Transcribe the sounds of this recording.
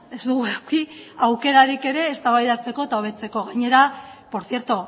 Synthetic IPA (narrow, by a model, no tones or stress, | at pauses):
e̞zd̪uɣuakiawke̞ɾaɾike̞ɾe̞ːst̪aβajðat͡se̞ko̞et̪ao̞β̞e̞t͡se̞ko̞ɣaɲe̞ɾapo̞ɾθje̞ɾt̪o